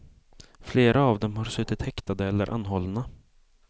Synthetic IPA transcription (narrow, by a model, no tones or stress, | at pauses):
fleːɾʔaːvd̪ɛmhaɾsɵt̪ːɪt̪hɛkt̪ad̪əɛlːə̰ɾʔa̰nɦɔlna